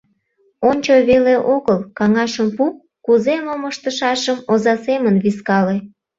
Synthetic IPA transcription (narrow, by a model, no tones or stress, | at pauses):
onʲt͡ɕoβeleʔoɣəlkɑŋɑʃəmpup̚ | kːuzemoməʃt̪əʃɑʃəmozɑsemənβiskɑle